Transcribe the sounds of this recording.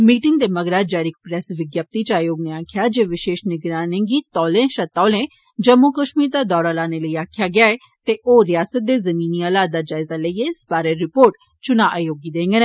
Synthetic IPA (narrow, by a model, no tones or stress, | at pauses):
miːʈɪŋɡ̚d̪eːməɡɾaːd͡ʒaːɾɪk̚pɾɛsʋɪɡjaːp̚t̪it͡ʃaːjoːɡneaːkʰjaːd͡ʒeːʋɪʃeːʃnɪɡɾaːnɪ̃ŋɡiːt̪ɔːlẽːʃət̪ɔːlẽː | d͡ʒəmːukəʃmiːɾd̪aːd̪ɔːɾaːlaːneləiaːkʰjaɡɪaːeː | t̪eʔoːɾɪjaːsət̪̚d̪eːzəmiːniːaːlaːaːd͡ʒaːɪzaːləiespaːɾəɾɪpoːɾʈ | t͡ʃʊnaːʔaːjoːɡid̪ẽːŋɡəne